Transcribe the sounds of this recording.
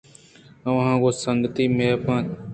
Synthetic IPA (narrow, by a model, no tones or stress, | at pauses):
əʋãːkoːsəŋɡət̪iːmeːpãː